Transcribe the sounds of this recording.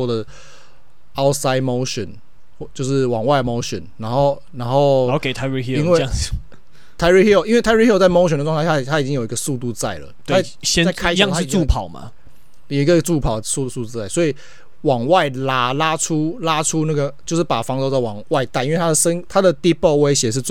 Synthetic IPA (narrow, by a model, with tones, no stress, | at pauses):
ɔ˥˧d̪ə˩ | a˦˥ʊsa˦ɪmo˧˦ʊɕə˨˩˦n˩ | t͡ɕjo˥˧ʊʂɻ̩˥˩wɑ˨˩ŋwa˥˩ɪmo˧˦ʊɕə̰˨˩nna˧˦˥nxo˥˧ʊ | na˧˥nxo˥˨˧ʊ˥ke˨˩ɪt̪ʰa˧˥ɹi˧˥i˥i˨˦nwe˥˨ŋ | t̪ʰa˥ɪɹi˥hi˥o˨ʔi˥nwe˥ɪt̪ʰa˧˥ɪ˥i˥i˥o˧t͡sa˥˩ɪmo˥ɕ̬ndə˩wt̪ʰa˥˩t̪ʰa˦˥i˨˩t͡ɕi˦ŋjo˨˩ʊi˦ɡə˧su˥˧t̪u˥˧t͡sa˥˩ɪlə̰˩t̪ʰa˥ | ɕɛ˥a˨ɪa˥ɪ̃˥˨ŋt̪a˥i˨˩u˥˨pʰɑ˨˩˦ʊma̰˨ | jo˨˩i˦ɡə˨˧t͡su˥˩pʰɑ˨˩ʊsu˥˧su˥˧u˥˧t͡sa˥˩ɪswɔ˧˥i˨ | wɑ˨˩ŋwa˥˩ɪla˦˩la˦˥ʈ͡ʂʰu˦la˦˥ʈ͡ʂʰu˦na˥˩ɡə˩t͡ɕjo˥˧ʂ̩˥˩pa˨˩fɑ˥˦ŋt͡st͡sa˥˩ɪwɑ˨˩ŋwa˥˧ɪt̪a˥˧ɪ˨i˥˦we˥˧˩t̪ʰa˥d̪ə˨sə˦nt̪ʰa˥d̪ə˨t̪i˥po˥˩ʊwe˥ɪɕjɛ˨˩ʂ̬ɻ̩˥˧t͡s